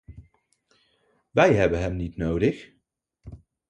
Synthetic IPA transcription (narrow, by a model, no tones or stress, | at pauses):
ʋɛjɦɛbənɦɛmnitnowdəx